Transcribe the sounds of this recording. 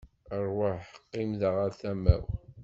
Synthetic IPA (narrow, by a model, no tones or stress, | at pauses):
ərˤwəħqːimðəʁaɾθæmæ̰w